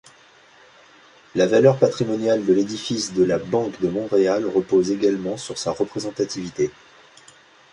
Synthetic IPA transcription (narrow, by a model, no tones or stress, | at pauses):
lavalœʁpat̪χimɔnjald̪əled̪ifisd̪əlabɑ̃kd̪əmɔ̃ʁealʁəpozeɡalmɑ̃syʁsaʁəpχezɑ̃t̪at̪ivit̪e